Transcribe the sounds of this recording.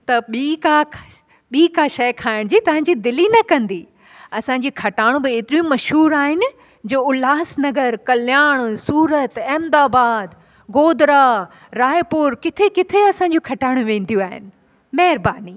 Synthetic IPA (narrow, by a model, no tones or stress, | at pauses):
t̪ɐɓiːka | ɓiːkaːʃɐjkʰaːɪɽ̃d͡ʑiːt̪ɐʋ̤ãɲ̆d͡ʑid̪ɪlinɐkɐ̃nd̪iː | ɐsãːɲ̆d͡ʑikʰɐʈaːɽ̃ũbɪeːt̪ɪɾijũmɐʃɦuːɾaːɦɪnɪ̆ | d͡ʑoːʊlaːsnɐɡəɾkɐljaːɽ̃suːɾət̪ɛːmd̪aːbaːd̪ | ɡoːd̪ɾa | ɾaːjpʊɾkɪt̪ʰekɪt̪ʰeɐsãɲ̆d͡ʑokʰɐʈaːɪɽ̃ũʋẽːn̆d̪ijũaːɦɪ̰nɪ̆ | mɐɦɪɾbaːni